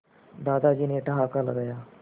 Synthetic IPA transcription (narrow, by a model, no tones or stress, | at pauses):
d̪aːd̪ad͡ʒiːneʈɐɦakalɐɡaːjaː